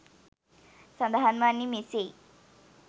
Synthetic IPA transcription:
sə̃nd̪aɦanmanːimese

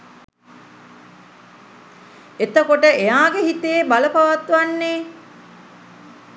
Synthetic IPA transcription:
et̪əkoʈəejaːɡeɦit̪eːbaləpɐʋat̪ʋanːeː

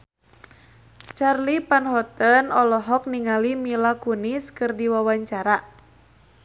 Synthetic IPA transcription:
t͡ʃarlipanhɔt̪ənɔlɔɦɔk̚niŋalimilakuniskɨrdiwawaɲt͡ʃaɾa

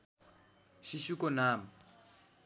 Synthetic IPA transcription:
ʃiʃikɔnaːma

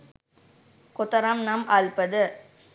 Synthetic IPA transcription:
kʊt̪ːɐɾaːmnamʔaːɭpɐðɯ

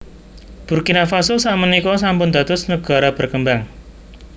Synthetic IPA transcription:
b̥urkinafasʊsaʔmənikɔsampʊnd̪a̤t̪ʊsnəɡ̥a̤ɾab̥ərkəmbaŋ

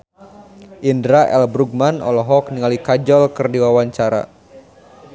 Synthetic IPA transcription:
ʔindɾaʔɛ̰lbɾuɡ̚manɔ̰lɔɦɔk̚niŋalikad͡ʒɔlkɨrdiwawaɲt͡ʃaɾa̰

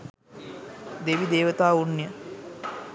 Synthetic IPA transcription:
d̪eʋid̪eːʋət̪aːunːjə

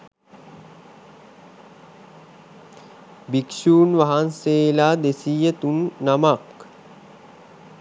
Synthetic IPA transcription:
bikʃuːnʋaɦanseːlaːd̪esiːjət̪unːamak

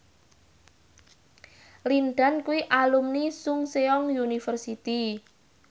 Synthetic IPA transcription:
linɖankuwiʔalumnisʊŋseɔŋjunifərsit̪i

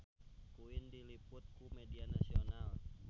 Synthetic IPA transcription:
kuɪndilipʊt̪̚kumedianasional

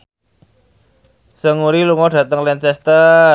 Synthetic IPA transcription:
səŋuɾiluŋɔɖ̥ä̤t̪əŋlɛnt͡ʃɛst̪ə

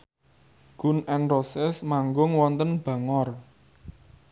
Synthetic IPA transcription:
ɡ̥ṳnʔɛnrosɪsmaŋɡʊŋwɔnt̪ənb̥ä̤ŋɔr

